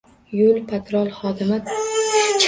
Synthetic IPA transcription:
jʊlʲpʰat̪ɾɒlˠχɒd̪ɪmɪ | t͡ʃʰ

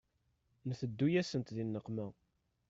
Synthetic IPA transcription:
nθəd̪ːujæsənt̪ðinːəqːmæ

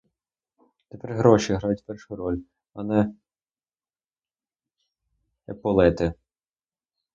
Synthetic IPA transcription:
t̪epɛɾɦɾɔʃiɦɾajʊtʲpɛrʃʊɾɔlʲ | ɐnɛ | epɔlˠɛt̪ɪ

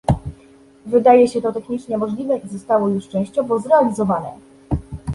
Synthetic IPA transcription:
vɘd̪ajɛɕɛt̪ɔt̪ɛxɲit͡ʂɲɛmɔʐlʲivɛʔizɔst̪awɔjuʂt͡ʂɛ̃w̃ɕt͡ɕɔvɔzɾɛalʲizɔvanɛ̰

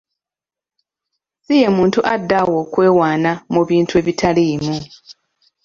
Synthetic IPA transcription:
sije̞muːntuʔadːawo̞ːkwe̞ːwaːnamuβiːntue̞ːβitʰaliːmu

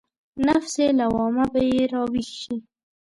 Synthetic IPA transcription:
nafselawɑmabajeɾɑwixʃi

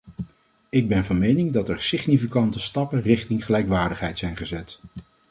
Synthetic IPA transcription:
ɪɡ̚bɛnvɑnmejnɪŋdɑtɛɹsɪχnifikɑntəstɑpənrɪχtɪŋχəlɛjkʋaːɹdəχɦɛjtsɛjnχəzɛt

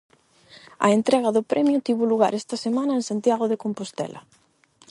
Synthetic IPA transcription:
ɐ̰ent̪ɾɛɣ̞ɐðʊpɾʔɛmjʊt̪iβoluɣa̰ɾɛst̪ɐsemãnɐensant̪jaɣ̞oðekompost̪ɛ̰lʔɐ̰

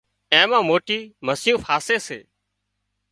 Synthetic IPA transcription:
ẽːmãːmoːʈiːməsɪjũːfʰaːseːsḛː

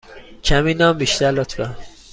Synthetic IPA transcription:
cʰæmiːnɒːmbiʃt̪æɾlɔt̪ʰbæ

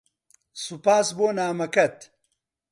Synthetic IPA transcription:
supaːsboːnaːmɐkɐt̪

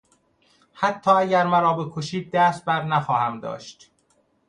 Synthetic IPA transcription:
hæt̪ʰːɒːæɟæɾmæɾɒːbekʰoʃiːd̪̚ːæːst̪̚bæɾnæxɒːhæmd̪ɒ̰ːʃt̪

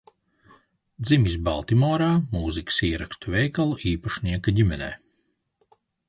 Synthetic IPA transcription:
d̪zimʲisba̰lˠt̪imɔːɾaːmuːziksiːɛɾakst̪uvʲɛjkalˠuʔiːpaʃnʲiɛkaɟimʲɛnɛ̰ː

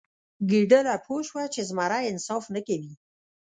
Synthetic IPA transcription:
ɡiɖəlapʰoʃwat͡ʃezmaɾaɪnsɑfnəkawi

